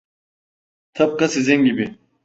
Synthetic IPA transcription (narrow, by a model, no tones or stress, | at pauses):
t̪ʰɐb̚kɐsizeŋɡibi